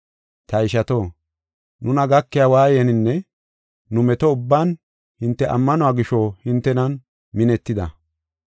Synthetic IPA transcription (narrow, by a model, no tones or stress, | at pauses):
t̪ɐɪʃɐt̪oː | nʊnɐɡɐkːɪjawaːjɛnɪnːɛ | nʊmɛt̪ɔʊbːaːn | hɪnt̪ːɛʔɐ̰mːɐnɔaːɡɪʃɔhɪnt̪ːɛnɐn | mɪnɛt̪ːɪd̪ɐ